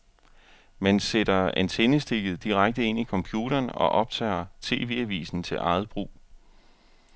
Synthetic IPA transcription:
mænseɾ̥ɐænt͡sʰenəsd̥e̝ɡ̥ð̩ˠd̥iʁaɡ̥̚d̥əe̝n̰ikʰɒ̽mpʰjuːɾ̥ɐːnɒ̽ʔɒ̽b̥̚t͡sʰɛ̰ːɐt͡sʰe̝̰ːʋe̝̰ːæʋḭːsn̩t͡sʰe̝lʔɑ̈ɪð̩ˠb̥ʁṵː

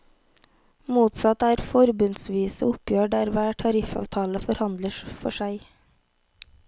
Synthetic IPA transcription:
muːt̪sɑt̪æːɾfɔɾbʉnsʋiːsəʊpjøːɖæːɾʋæːʈʰɑɾɪfɑ̰ːʋt̪ʰɑːləfɔɾhɑnd̪ləʃfɔʃæɪ

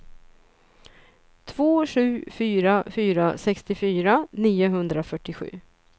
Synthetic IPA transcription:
t̪ʰvoːɧʉ̟ːfyːɾafyːɾasɛkst̪ɪfyːɾaniːʊɦɵnd̪ɾafœʈːɪɧʉ̟̰ː

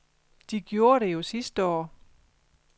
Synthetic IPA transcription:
d̥iɡ̥jo̝ːɐɾ̥e̝jo̝sisd̥əɒ̰ː

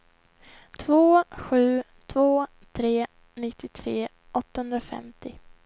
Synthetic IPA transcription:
t̪ʰvoːɧʉ̟ː | t̪ʰvoː | t̪ʰɾeː | nɪt̪ːɪt̪ʰɾeː | ʔɔt̪ːahɵnd̪ɾafɛ̰mt̪ɪ

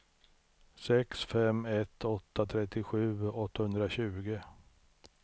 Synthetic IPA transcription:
sɛksfɛmɛt̪ʰːɔt̪ːat̪ʰɾɛt̪ːɪɧʉ̟ːɔt̪ːahɵnd̪ɾaɕʉ̟ːɡə

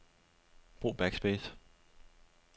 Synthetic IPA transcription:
b̥ʁo̝̰ːb̥æɡ̥sb̥eːs

